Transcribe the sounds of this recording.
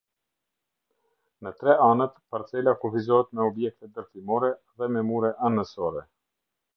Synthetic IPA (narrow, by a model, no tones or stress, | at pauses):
nət̪ɾɛʔanət̪paɾt͡sɛlakɔfizɔɦɛt̪mɛɔbjɛk̚t̪ɛd̪əɾt̪imɔɾɛ | ðɛmɛmuɾɛʔanəsɔɾɛ